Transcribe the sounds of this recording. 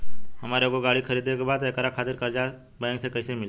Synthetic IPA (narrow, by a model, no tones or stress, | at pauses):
ɦəmaːɾeoɡoɡaɭikʰəɾid̪ekbad̪ekəɾakʰaːt̪ɪɾkəɾd͡ʒa | bəjə̃ŋɡsekəɪsemɪl